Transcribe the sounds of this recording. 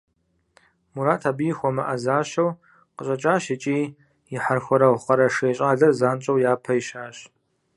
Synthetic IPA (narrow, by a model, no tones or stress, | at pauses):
muɾaːtʰaːbijxʷɔmɐʔɐzaːɕɐw | qəɕʼɐt͡ʃʼaːʃɪt͡ʃʼiː | jɪħarxʷɔɾɐwχɐɾɐʂeːɕʼaːɮɐrzaːnt͡ʃʼɐwjaːpʰɐjiʃaːɕ